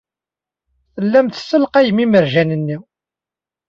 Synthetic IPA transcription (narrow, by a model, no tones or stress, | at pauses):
θəlːæmθsːəlqæjmiməɾʒænənːiw